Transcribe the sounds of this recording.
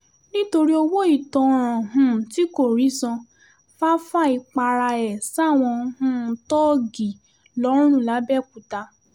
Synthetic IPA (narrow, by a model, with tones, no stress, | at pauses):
nĩ˦to˧ɾi˦o˧wo˦i˦˨tɔ̃˧ɾ̃ã˨ɦũ˧˨ti˨˦ko˦˨ɾi˨˦sɔ̃˧ | fa˦fa˦˨i˧˨k͡pa˧ɾa˧ɛ˨sa˦˨w̃ɔ̃˧˦hũ˦tɔ˦ɡi˨ | lɔ̃˨˦ũ˦˨la˨˦bɛ˦˨ku˨ta˧